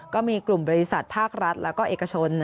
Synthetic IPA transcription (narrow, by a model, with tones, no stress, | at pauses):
kɔː˥˩miː˧klu˨˩mbɔː˧ɾi˦˥sa˨˩t̪̚pʰaː˥˩k̚ɾa˦˥t̪̚lʔɛː˦˥wkɔː˥˩ʔeː˨˩ka˧t͡ɕʰo˧n